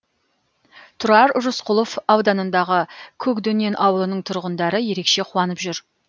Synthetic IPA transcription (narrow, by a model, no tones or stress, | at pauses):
t̪ʰʊɾɑɾʊʒʊsqʊlˠofɑwd̪ɑnənd̪ɑʁəkʲʰɵkd̪ɵne̞nʔɑwəlˠənəɴt̪ʰʊɾʁənd̪ɑɾəje̞ɾe̞kʃe̞qʰʊwɑnəpʒʏɾ